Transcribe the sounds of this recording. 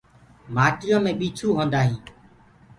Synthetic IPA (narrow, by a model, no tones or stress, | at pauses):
maːʈɪjõːmẽːɓiːt͡ʃʰuːɦõːnd̪aːɦĩː